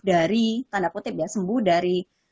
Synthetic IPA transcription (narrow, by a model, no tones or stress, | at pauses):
daɾit̪andaput̪ɪp̚jasəmbʊhdaɾi